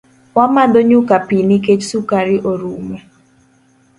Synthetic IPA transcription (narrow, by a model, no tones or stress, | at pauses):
wamadoɲukapinik̬et͡ʃsukaɾɪʔoɾumɛ